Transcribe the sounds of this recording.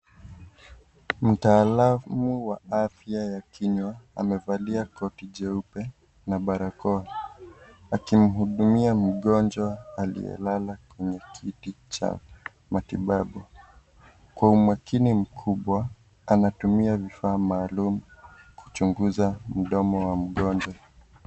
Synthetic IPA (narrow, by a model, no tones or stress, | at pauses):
m̩taːlamuwaafjajakʰiɲwaa̰mɛvaliakɔtiʄɛupɛ | naɓaɾakɔa | akim̩ɦuɗumiam̩ɠɔnd͡ʒwaalḭjɛ̰lalakwɛɲɛkʰitit͡ʃa̰ | matiɓaɓu | kwaumwakʰinim̩kʰuɓwa | anatumiavifaːmaːlumukʰu̥t͡ʃuŋɡuzam̩ɗɔmɔwam̩ɠɔnd͡ʒwa